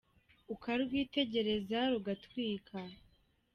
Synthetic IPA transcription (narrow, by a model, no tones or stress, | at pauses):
ukaɾɾɡwiːte̞ɟe̞ɾe̞zaɾuɡatwiːkʰa